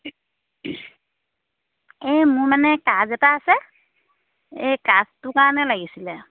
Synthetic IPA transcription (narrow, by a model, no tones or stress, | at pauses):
emʊɹmanɛkazɛtaːsɛ | ejkaztʊkaɹɔnɛlaɡisilɛ